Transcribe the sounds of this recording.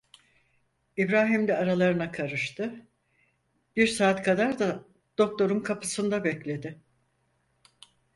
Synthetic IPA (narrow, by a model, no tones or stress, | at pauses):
ibɾaːɦimd̪ɛaɾalˠaɾɯnakʰaɾɯʃt̪ɯ | b̥iɾsaːt̪kʰad̪aɾd̪a | d̪̥o̞k̚t̪ʰo̞ɾunkʰapʰɯsɯnd̪abɛclʲe̞d̪ɪ